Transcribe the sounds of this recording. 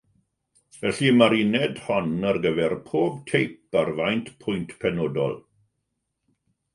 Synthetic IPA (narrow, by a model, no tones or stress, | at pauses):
vɛɬimaɾinɛdhɔnərɡəvɛrpʰoːb̚tʰejparvajntpʰʊjntʰpʰɛnoːdɔ̰lˠ